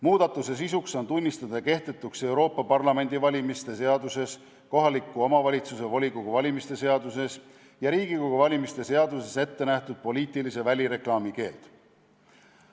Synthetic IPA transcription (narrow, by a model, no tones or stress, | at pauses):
muːd̪̥ɑt̪ːˑuse̞s̬isukso̞nt̪unʲːist̪ɑd̪̥ɑke̞ht̪e̞t̪ːˑukse̞wɾo̞ːpːˑɑpɑrlɑme̞nʲd̪̥ivɑlʲimist̪e̞se̞ɑd̪use̞s | ko̞ɦɑlikːˑuo̞mɑvɑlʲit̪suse̞volʲikoɡuvɑlʲimist̪e̞se̞ɑd̪use̞s | jɑɾiːɡ̥ikoɡ̥uvɑlʲimist̪e̞se̞ɑd̪use̞se̞t̪ːe̞næht̪ud̪̥̚po̞lʲiːt̪ˑilise̞vælʲiɾe̞klɑːmike̞ːld̪̥